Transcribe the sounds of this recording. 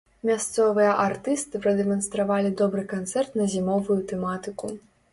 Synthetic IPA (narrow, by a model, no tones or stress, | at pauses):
mʲast̪sɔvɨjɐʔart̪ɨst̪ɨpɾɐd̪ɛmɐnst̪ɾavalʲid̪ɔbɾɨkant̪sɛrt̪nɐzʲimɔvujut̪ɛmat̪ɨku